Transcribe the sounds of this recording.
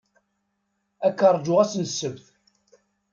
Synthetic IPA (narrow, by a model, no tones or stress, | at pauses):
ækːərˤd͡ʒʊʁæsnəsːəvθ